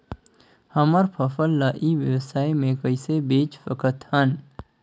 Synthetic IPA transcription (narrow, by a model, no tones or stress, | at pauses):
həməɾpʰəfəlːaʔiʋjəwsaːjmẽkəɪsebeːt͡ʃpʰəkət̪hən